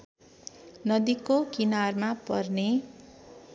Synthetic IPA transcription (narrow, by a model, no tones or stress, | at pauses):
nʌd̪ikokinarmapʌ̰rne